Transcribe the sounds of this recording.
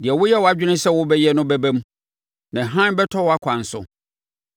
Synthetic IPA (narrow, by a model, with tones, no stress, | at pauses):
dɪ˨ɛ˨wʊ˦jɛ˦wɔ˨˦a˦d͡ʑᶣɪ˦nɪ̃˦sɛ˦wʊ˦bɛ˦jɛ˦nʊ̃˦bɛ˦bæ̃˦m | nã˨ɦã˦n˦bɛ˦tʰɔ˦wɔ˨˦a˦kʷʰã˨n̩˨sʊ̰˨